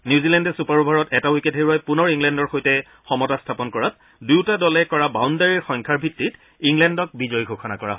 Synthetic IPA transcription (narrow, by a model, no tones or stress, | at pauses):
njuzilɛndɛsupaɹbʱaɹɔtɛtawiketɦeɹuajpʊnɔɹiŋlɛndɔɹxojtɛ | xɔmɔtastʰapɔnkɔɹat̚ | dujwtadɔlɛkɔɹabawndaɹiɹxɔŋkʰaɹbʱitːit | iŋlɛndɔk̚bizɔjɡʱokʰɔna̰kɔɹa̰ɦɔ